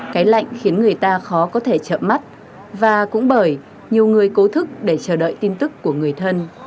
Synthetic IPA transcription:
kaː˨˦jla̰˧˨jŋ̟xi˨˦ənŋɨ˨˩əjt̪aː˧xɔ˨˦kɔ˨˦t̪ʰe˧˩t͡ɕə̰ː˧˨ma˦˥t̚ | vaː˨˩kʊ̰˧˥ŋ͡mɓəː˧˩j | ɲi˨˩əwŋɨ˨˩əjko˨˦t̪ʰɨ˦˥k̚ɗe˧˩t͡ɕəː˧˩ɗə̰ː˧˨jt̪i˧nt̪ɨ˦˥kːu˧˩əŋɨ˨˩əjt̪ʰə˧n

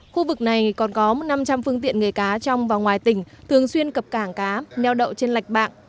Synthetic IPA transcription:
xu˧vɨ˨˩k̚na˨˩jkɔ˨˩nkɔ˨˦mo˨˩t̚na˧mt͡ɕa˧mfɨ˧əŋt̪ḭ˧˨ənŋɨ˨˩əjkaː˨˦t͡ɕɔ˧wŋ͡mvaː˨˩wŋwaː˨˩jt̪ï˧˩ŋ̟t̪ʰɨ˨˩əŋswi˧ənkə˨˩p̚kaː˧˩ŋkaː˨˦nɛ˧wɗə̰˧˨wt͡ɕe˧nla˨˩jk̟̚ɓa̰ː˧˨ŋ

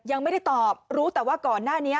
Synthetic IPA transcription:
ja˧ŋma˥˩jda˥˩t̪ɔː˨˩p̚ɾuː˦˥t̪ɛː˨˩waː˥˩kɔː˨˩nːaː˥˩ni˦˥ɐ

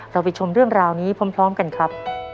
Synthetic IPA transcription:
ɾa˧wpa˧jt͡ɕʰo˧mɾɯ˥˩əŋɾaː˧wniː˦˥pʰo˦˥mpʰɾɔː˦˥mka˧nkʰɾa˦˥p̚

